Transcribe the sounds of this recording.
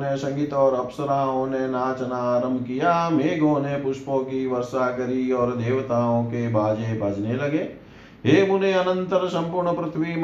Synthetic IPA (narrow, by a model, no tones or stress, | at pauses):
nesɐ̃ŋɡit̪ɔːɾɐpsəɾaːõnenaːt͡ʃənaːɾə̃mbʱkijameːɡʱõːnepʊʃpõkiʋɐɾsaːkɐɾiɔːɾd̪eːʋt̪aːõkebʱaːd͡ʒebʱɐd͡ʒnelɐɡeː | ɦeːmʊneɐnə̃nt̪əɾsɐ̃mpuːɾɳəpɾɪt̪ʰʋim